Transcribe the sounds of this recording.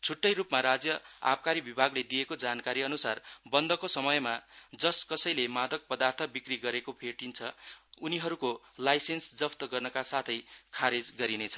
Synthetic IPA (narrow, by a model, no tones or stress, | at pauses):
t͡sʰuʈːʌjrupmaɾad͡zjʌa̰p̚kaɾibibʱaɡled̪ijekod͡zankaɾiʌnusarbʌnd̪ʌkosʌmʌjmad͡zʌskʌsʌjlemad̪ʌk̚pʌd̪art̪ʰʌbikriɡʌɾekopʰeʈint͡sʰʌuniɦʌɾuko | lajsensd͡zʌpʰt̪ʌɡʌrnʌkasat̪ʰʌjkʰaɾed͡zɡʌɾinet͡sʰʌ̥